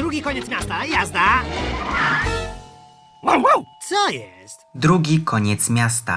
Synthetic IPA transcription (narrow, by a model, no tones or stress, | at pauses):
d̪ɾuɡʲikɔɲɛt̪smʲjast̪ajazd̪a | wowwawt̪sɔjɛst̪d̪ɾuɡʲikʰɔɲɛt̪smʲjast̪a̰